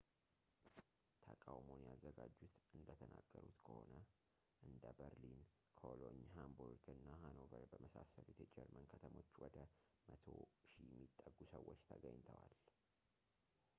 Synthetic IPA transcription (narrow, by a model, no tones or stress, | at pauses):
t̪ʰəkʼawmonjazːəɡad͡ʒːut̪ʔɨnd̪ət̪ʰənaɡ̥ːəɾut̪kʰəho̞nə | ʔɨnd̪əbəɾlin | kʰoloɲɦambuɾɡɨnːaɦanovəɾbəməsasəleɛt̪ʰɛd͡ʒɛɾmənkʰət̪ʰəmo̞t͡ʃːwɔd̪ə | mət̪ʰoʃijɛmːit̪ʼːəɡusəwːot͡ʃːt̪ʰəɡəɲːt̪ʰəwal